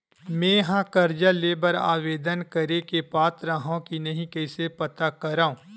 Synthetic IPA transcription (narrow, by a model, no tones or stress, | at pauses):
mẽːɦãːkɐɾd͡ʒaleːbəɾa̰ːʋeːd̪ənkɐɾekepaːt̪ɾəɦõkinɐɦĩkɛːsepɐt̪akɐɾaːũː